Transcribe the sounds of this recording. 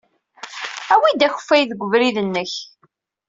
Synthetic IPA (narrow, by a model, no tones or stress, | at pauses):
æwid̪æçə̥fːæjðəɡʷːəvɾiðənːəç